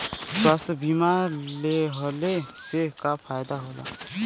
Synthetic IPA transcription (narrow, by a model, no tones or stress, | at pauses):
swast̪ʰəbimaɾleɦɔlesekapʰajd̪aɦola̰